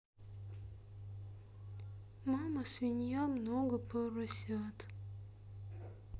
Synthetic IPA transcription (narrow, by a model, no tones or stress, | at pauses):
maməsvʲɪnʲjamnoɡəpəɾɐsʲat̪